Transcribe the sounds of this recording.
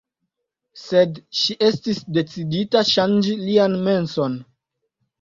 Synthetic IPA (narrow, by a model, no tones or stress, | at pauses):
se̞dʃiʔe̞stisde̞t͡siditaʃand͡ʒilianme̞nso̞n